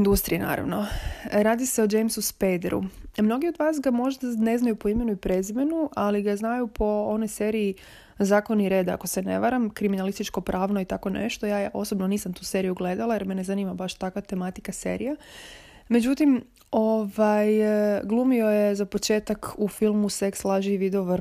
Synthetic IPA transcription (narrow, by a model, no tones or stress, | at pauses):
ind̪ust̪ɾḭjena̰ːɾa̰ʋno̞ɾaːd̪iseod͡ʒejmsuspejd̪ḛɾṵmno̞ɡio̞d̪ʋaːsɡamo̞ʒd̪ane̞znajupo̞ime̞nuipɾe̞zime̞nuʔaliɡaznajupʰo̞o̞no̞jse̞ɾiː | zaːko̞niɾe̞ːd̪a̰ko̞se̞ne̞̰ʋaɾamkɾiminalist̪it͡ʃko̞pɾʔaːʋno̞it̪ako̞nḛʃt̪o̞jaːjeʔo̞sobnoniːsamt̪uːse̞ɾijuɡle̞d̪alˠajeɾmene̞zaniːmabaʃt̪akʋat̪e̞mat̪i̥kase̞̰ɾḭja | me̞d͡ʑut̪im | oʋajɡlˠumio̞jezapo̞t͡ʃe̞ːt̪akufilˠmusekslˠaʒiʋid̪ɛoʋɾ